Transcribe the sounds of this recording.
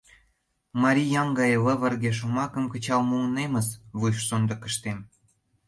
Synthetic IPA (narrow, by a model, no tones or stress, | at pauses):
mɑɾʲijɑŋɡɑjələ̆βə̆rɣeʃ̬umɑkə̆mkə̆t͡ɕɑlmunemə̆sβujʃsond̪ɤ̆kə̆ʃt̪em